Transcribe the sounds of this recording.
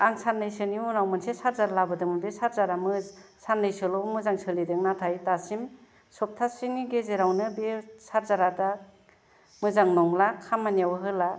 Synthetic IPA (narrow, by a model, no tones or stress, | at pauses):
aŋsʰanɯjsɯniunawmɯnsesaɾzaɾalabɯdɯmɯbesaɾzaɾamɯsanːɯjsɯlɔmɯzaŋsɯlidɯŋnatʰajtasim | sɔp̚tʰasiŋiɡezeɾawnɯbesaɾzaɾada | mɯzaŋnɔŋlakʰamːanijawɯɦɯla